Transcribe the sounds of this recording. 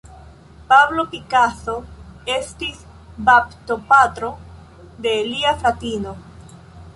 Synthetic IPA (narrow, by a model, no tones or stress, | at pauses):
pablo̞kikaso̞e̞stis | bapto̞patɾo̞ | de̞liaflatino̞